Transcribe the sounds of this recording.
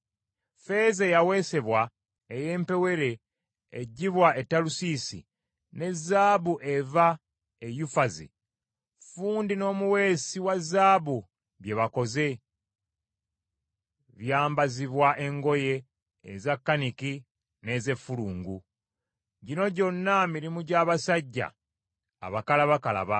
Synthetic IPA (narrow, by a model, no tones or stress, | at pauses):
fe̞ːzejawe̞se̞βwa | eje̞ːmpe̞we̞ɾe̞̰ | ɟiβwae̞tːalusisḭ | ne̞zːaːβuʔe̞va | ejufazḭ | fuːndino̞ːmuwe̞ːsiwazːaːβu | βje̞βako̞ze̞ | βjaːmbaziβwaʔe̞ŋɡo̞je̞̰ː | zakːaniki | ne̞ːze̞fːuluːŋɡu | ɟino̞ɟo̞nːamiɾimuɟaːβasaɟːa̰ː | βakalaβakala̰βa